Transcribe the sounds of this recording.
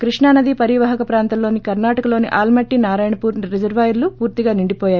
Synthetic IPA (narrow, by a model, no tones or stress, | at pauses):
kɾiʂɳaːnɐd̪ipɐɾiʋɐɦɐkɐpɾaːnt̪ɐlːo̞ːnikɐɾnaːʈɐkɐlo̞ːniʔaːlmɐʈːinaːɾaːjɐɳɐpuːɾnɾed͡ʒɐɾʋaːjuɾlupuːɾt̪iɡaːniɳɖipɔːjaːju